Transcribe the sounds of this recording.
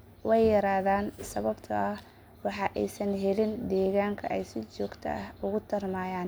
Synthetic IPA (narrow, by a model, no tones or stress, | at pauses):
wɑjjɐɾaːðaːnsɐβɐbt̪ʰɐʔɐh | wɑħɑʔɛjsɐnɦɛlɪnd̪ɛːɣaːŋkʰɐʔɛjsɪt͡ʃɔːɡt̪ʰɐ̰ɐhʊɣʊt̪ʰɐrmaːjaːn